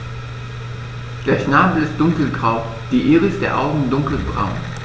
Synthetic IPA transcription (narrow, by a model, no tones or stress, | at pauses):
d̥eːɐʃnaːbl̩ɪst̚d̥ʊŋkl̩ɡʁaʊ | d̥iːʔeːʁəɪstd̥eːɐʔaʊɡŋ̩dʊŋkl̩bʁa̰ʊn